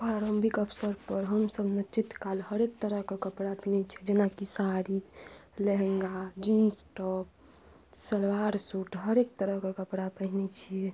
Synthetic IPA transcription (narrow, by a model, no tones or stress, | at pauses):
pɾaɾəmbʱikəpʰsəɾpəɾɦəmsəbʱnət͡ʃit̪kalɦəɾek̚t̪əɾəɦkekəpɽapinɛt͡ʃʰɛd͡ʒenakisaɾileɦŋɡad͡ʒinsʈɔp̚ | səlwaɾsuʈɦəɾek̚t̪əɾəɦkekəpɽapəɦnɛt͡ʃʰiɛ